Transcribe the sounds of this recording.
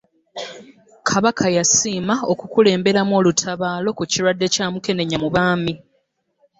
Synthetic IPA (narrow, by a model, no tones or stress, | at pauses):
kʰaβakʰajasiːmaokukule̞ːmbe̞ɾamo̞ːlutʰaβaːlo̞kuciɾwadːe̞caːmuke̞ne̞ɲamuβaːmi